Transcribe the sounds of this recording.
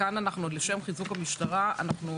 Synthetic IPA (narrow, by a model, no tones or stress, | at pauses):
ananaχnuleʃe̞mχizukamiʃtaʁaʔa̰naχnu